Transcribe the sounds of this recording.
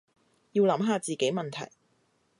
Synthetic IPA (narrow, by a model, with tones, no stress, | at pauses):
jiː˧wlɐ˨˥mɦaː˨˧t͡siː˨ke˨˥jmɐ˨nt̪ʰɐ̰˨˩j